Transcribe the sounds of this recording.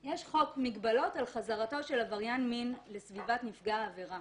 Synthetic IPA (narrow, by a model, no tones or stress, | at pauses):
jɛʃχo̞kmiɡbalo̞talχazaʁato̞ʃe̞lavaʁjanminlesvivatnifɡaːveʁa